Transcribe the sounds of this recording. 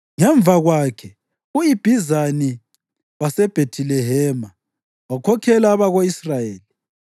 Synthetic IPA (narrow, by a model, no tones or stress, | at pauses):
ŋɛɱb̪vʱaɣwaːkʰɛ | uib̥ʱizani | wasɛb̥ʱetʰilɛɦɛma | wakʰɔkʰɛlaːβaɣoisrajeːli